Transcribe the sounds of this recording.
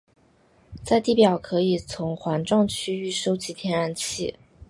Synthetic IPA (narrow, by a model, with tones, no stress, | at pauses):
t͡sa˥˧ɪt̪i˥˩pjɑ˨˩ʊkʰɤ˧˥i˨˩t͡sʰʊ˧˥ŋxwa˧˥nʈ͡ʂɑ˥˩ŋt͡ɕʰy˥y˥˩ʂo˥ʊt͡ɕi˧˥t̪ʰjɛ˧˥na˥˩nt͡ɕʰi˥˩